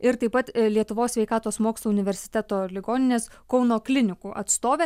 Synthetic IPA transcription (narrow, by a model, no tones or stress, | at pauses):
ɪɾt̪ɐɪpɐt̪lʲiɛt̪ʊʋoːsʲʋʲɛɪkɑːt̪oːsmoːkslˠoːʊnʲɪʋʲɛɾʲsʲɪ̥t̪ʲæt̪oːlʲɪɡoːnʲɪnʲeːskɒʊnoːklʲɪnʲɪkuʔɐ̰t̪st̪oːʋʲe